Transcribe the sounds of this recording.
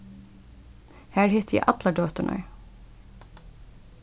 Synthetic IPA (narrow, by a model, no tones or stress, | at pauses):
hæːɹhɛt̪ʰjæ̰ʔɑt̪lɑɖøːt̪əɳʔœ̰ʏ